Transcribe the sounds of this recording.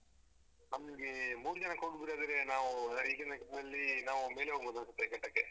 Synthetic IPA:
nɐmɐlɡemuːɾd͡ʒɐnɐkoɡbiɾaːd̪ɾenaːʋuiːɡɐnd̪ɐkɐʈɐd̪ɐlːinaːʋume̞ːleɦoɡbud̪ɐnsut̪ːekɐʈːɐkːe

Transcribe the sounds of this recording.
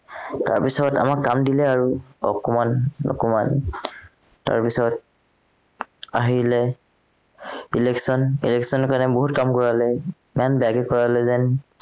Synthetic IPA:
ta̰ɹpisɔta̰makːamdilɛaɹuɔ̰kɔmanːɔ̰kɔman | ta̰ɹpisɔt̚ | aɦilɛ | ilɛksɔnilɛksɔnɔkanɛbɔɦutkamkɔɹalɛ | mɛnbaɡɛkɔɹalɛzɛn

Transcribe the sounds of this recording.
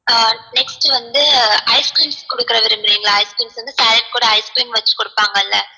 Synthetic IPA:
anɛksʈɯʋɐnd̪ɯɐɪskɾiːmskɔɽɯkːɪɾɐʋɪɾɯmɪɾiːŋɡɐɭaːɐɪskɾiːmsʋɐnd̪ɯsɐɪɾɐn̚kuːɽɐɐɪskɾiːmʋɐt͡ʃːɯ̥kːɔɽɯpːaːŋɡɐɪlːɛ

